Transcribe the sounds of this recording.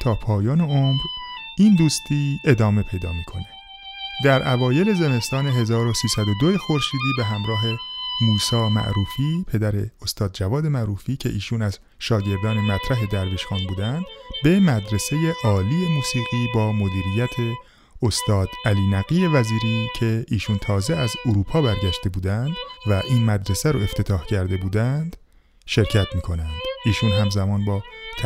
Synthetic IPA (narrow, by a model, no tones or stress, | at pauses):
t̪ʰɒːpʰɒːjɒːneomɾ | iːnd̪uːst̪ʰiːe̞d̪ɒːme̞pʰe̞jd̪ɒ̰ːmiːkʰo̞ne | d̪æɾʔævɒːje̞le̞ze̞me̞st̪ɒːne̞ɦe̞zɒːɾosiːsæd̪o̞d̪oje̞xo̞ɾʃiːd̪iːbeɦæmɾɒːɦe̞muːsɒːmæ̰ʔɾuːfiːpʰe̞d̪æɾeost̪ɒːd̪̚d͡ʒævɒːd̪e̞mæɾuːfiːcʰe̞̰ʔiːʃuːnæz̥ | ʃɒːɟe̞ɾd̪ɒːnemæt̪ʰɾæɦe̞d̪æɾviʃxɒːnbuːd̪ænd̪be̞mæd̪ɾe̞se̞jeʔɒːliːje̞muːsiːɣiːbɒːmo̞d̪iːɾijæt̪ʰe̞ | ost̪ɒːd̪̥æliːnæɣiːje̞væziːɾiːcʰe̞ʔiːʃunt̪ʰɒːzeæzoɾuːpʰɒːbæɾɟæʃt̪e̞buːd̪ænd̪̥væʔiːnmæd̪ɾesæɾoe̞ft̪ʰe̞t̪ʰɒːhcʰæɾd̪e̞buːd̪ænd̪̥ | ʃe̞ɾcʰæt̪miːkʰo̞nænd̪̥iːʃunɦæmzæmɒːnbɒːt͡ʃʰ